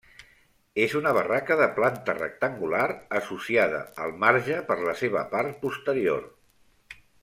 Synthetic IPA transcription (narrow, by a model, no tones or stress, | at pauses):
ezunəβərakəðəplant̪ərə̰k̚t̪əŋɡulaɾəsusiað̞ə̰əlˠmaɾʒəpəɾləseβ̞ə̰paɾt̪̚pust̪əɾio̰r